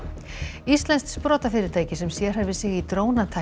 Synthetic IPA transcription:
ist̪lɛnst̪spɾɔːt̪afɪːɾɪɾt̪ʰaːjcɪsɛmsjɛɾ̥ɦɛɾvɪsɪɣit̪ɾoːwnat̪ʰa

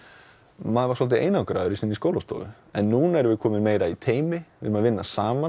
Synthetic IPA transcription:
maːðvaɾsɔlt̪̬ɪḛːjnaawkɾa̰ːðʏɾɪsɪnːiskoːwlast̪ɔ̰ːvʏ̰ | ɛnːuːnaɛɾɪvɪðkʰɔːmɪnmeːjɾait̪ʰeːjmɪvɪ̰ɾʏmaðvɪnːasaːma

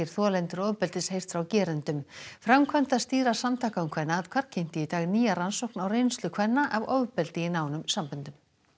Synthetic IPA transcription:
ɪɾ̥θɔːlɛnt̪ʏɾɔwpɛlt̪ɪshejr̥t̪fɾawcɛːɾʏnt̪ʏmfɾamkʰvœn̥t̪ast̪iːɾasamt̪ʰaːkaʏmkʰvɛnːaaðkʰvaɾ̥cʰejn̥t̪ɪit̪aːɣniːjaransowknawrejnst̪lʏkʰvɛnːaʔavowvpɛlt̪ɪɪnaːwnʏmsampʏnt̪ʏm

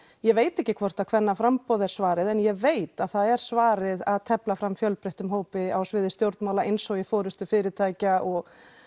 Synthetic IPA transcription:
jɛveːjt̪ɛhcːɪkʰvɔr̥t̪akʰv̥ɛnːafɾampɔwðɛɾ̥svaːɾɪðɛnjɛveːjt̪aðθaðɛɾ̥svaːɾɪðaðt̪ʰɛplafɾamːfjœlpɾeht̪ʏmɦoːwpɪawsvɪːðɪst̪jowɾt̪nmawlaejnsɔwjɪfɔːɾʏst̪ʏfɪːɾɪt̪ʰaːjcaɔɣ

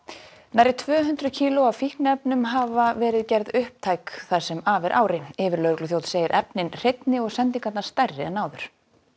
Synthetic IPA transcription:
naːjɾɪt̪ʰvœːɦʏnt̪ɾʏcʰiːlʊawfihknɛpnʏmɦaːvavɛːɾɪðcɛɾðʏhp̚t̪ʰaːjkθḁsɛmaːvɪɾʔa̰ːwɾɪɪːvɪɾlœɾklʏθjowt̪seːjɪɾʔɛpnɪnr̥ejt̪nɪɔɣsɛnt̪iŋkat̪naɾ̥st̪ajrːɪɛnːaːwðʏɾ̥

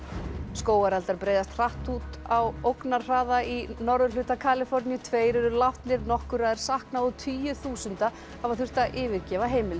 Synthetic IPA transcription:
skoːwaɾalt̪aɾpɾejðast̪r̥aht̪ut̪awowknaɾr̥aːðainɔɾðʏɾlʏːht̪akʰaːlɪfɔɾnjʏt̪ʰveːjɾɛɾʏlaft̪nɪɾnɔhkʏɾaːðɪɾ̥sahknaɔt̪ʰyːjʏθuːsʏnt̪a | havaθʏr̥t̪aʔɪːvɪɾcɛːvaɦeːjmɪl

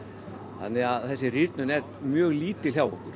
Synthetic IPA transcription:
θa̰nːɪɣaðθɛsːɪriɾt̪nʏnɛɾ | mjœːɣliːt̪ɪlɦjawɔ̰hkʏɾ̥

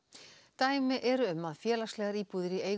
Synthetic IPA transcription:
t̪aːjmɪʔɛɾʏʏmːaðfjɛːlast̪lɛːɣaɾiːpuːðɪɾieːj

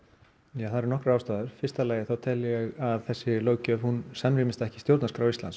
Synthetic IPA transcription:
jaθaðɾnɔhkɾaawst̪aːðʏɾ̥fɪrst̪alaːjɪθawt̪ʰɛljɛɣaðθɛsːɪlœːwcœvhunsamɾiːmɪst̪aɛhcɪst̪jowɾt̪naskɾawist̪la̰n

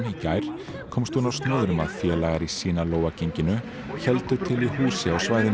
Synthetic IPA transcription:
micaːjɾ̥ | kʰɔːmst̪unawst̪nœːðɾʏmaðfjɛːlaːjɣaɾisiːnaloːwvaceɲcɪnʏ | çɛlt̪ʏt̪ʰɪlihuːsɪawsvaːjðɪ

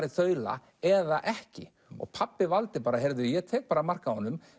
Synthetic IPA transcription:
ɾɪθœːɥla̰ | ɛðaʔɛhcɪ̰ | ɔ̰ɣpʰapːɪvalt̪ɪpaːɾaɦɛɾðʏjɛt̪ʰɛːk̚paːɾamar̥kahɦɔnːʏm

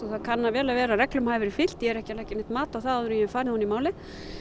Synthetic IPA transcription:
ɔθaðkʰanːavɛːlavɛːɾarɛklʏmhaːjvɪɾɪ̥fɪl̥t̪jɛɛɾɛhcɪlajhcɪnɪht̪maːt̪awθaðaðʏɾʏjɛfaːɾɪhunːimaːwlɪ

